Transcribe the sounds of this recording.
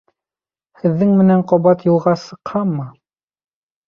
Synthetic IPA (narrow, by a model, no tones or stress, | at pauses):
hɘ̆ðːɘŋmɘ̆næɴqɒβɑt̪jŭlˠʁɑsɤ̆qhɑmːɤ